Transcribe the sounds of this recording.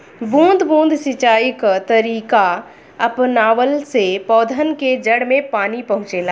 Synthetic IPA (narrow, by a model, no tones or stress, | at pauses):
bũːnd̪ʱbũːnd̪ʱsɪt͡ʃaːjɪkt̪əɾiːka | ɐpnaːʋəlsepɔːd̪ʱənked͡ʒəɽmẽpaːnipɐɦʊ̃t͡ʃelaː